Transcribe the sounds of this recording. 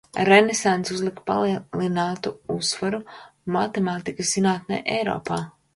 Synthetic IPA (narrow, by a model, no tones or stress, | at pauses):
ɾenesant̪suzlˠikpa̰lˠilˠinaːt̪uusvaɾunmat̪emaːt̪ikɐszinaːt̪nɛ̰ːʔɛ̰jɾo̰ːpaː